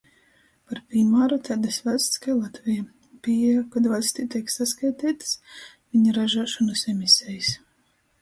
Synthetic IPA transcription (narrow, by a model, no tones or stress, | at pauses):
paɾpʲimaːɾut̪ʲad̪asvalʲsʲt̪skajlˠat̪vʲija | pʲiɛkad̪valʲsʲt̪it̪ʲiɛksaskajt̪iːt̪ɨ̥s | vʲiɲaɾaʒuʃɔnɨsɛmisʲɛjis